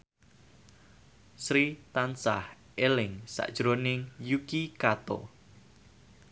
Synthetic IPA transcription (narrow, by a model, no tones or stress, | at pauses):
sɾit̪ansa̰h | ʔelɪŋsa̰ʔd̥ʒ̥ɾonɪŋjukikat̪o̰